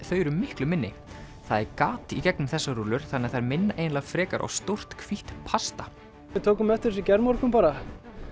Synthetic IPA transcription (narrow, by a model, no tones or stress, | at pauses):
θœːɥɾʏːɪhklʏmɪnːɪ | θaðɛɾkaːt̪icɛknʏmθɛsːaɾuːlʏɾ̥θanːɛθaɾmɪnːaʔejnlaɣfɾɛːka̰ɾʔa̰wst̪owr̥t̪kʰviht̪pʰast̪ḁ | ɪðt̪ʰoːwkʏmɛft̪ɪɾs̬ɪcɛɾmɔɾ̥kʏmpaːɾa